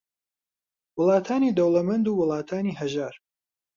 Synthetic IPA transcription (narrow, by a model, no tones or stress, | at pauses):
wʊlˠɑːt̪ʰaːniːd̪ɐwlɐmɐnd̪uːwʊlˠɑːt̪ʰaːniːɦɐʒaːɾ